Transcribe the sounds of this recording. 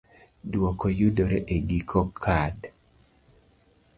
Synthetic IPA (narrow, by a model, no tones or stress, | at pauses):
dwɔkojudoɾeʔeɡikʰokʰad